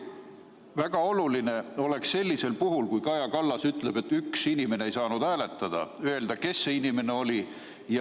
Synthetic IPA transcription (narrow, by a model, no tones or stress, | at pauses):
væɡ̥ɑo̞luline̞o̞le̞ksːe̞lʲːise̞lpuɦulkujkɑjɑkɑlːɑsyt̪ˑle̞b̥e̞t̪ːyksinime̞neejsɑːnud̪æːle̞t̪ːˑɑd̪̥ɑ̰øe̞ld̪̥ɑke̞sːeinime̞ne̞o̞lʲi | j